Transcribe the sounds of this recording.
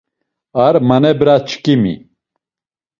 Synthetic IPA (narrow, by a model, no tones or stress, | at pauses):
aɾmɐnebɨɾat͡ʃʰkimḭ